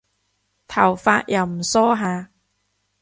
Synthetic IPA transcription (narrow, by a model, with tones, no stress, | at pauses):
t̪ʰɐ˨˩wfaː˧t̚jʔɐ˨˧wm̩˨˩sɔː˥ɦaː˨˧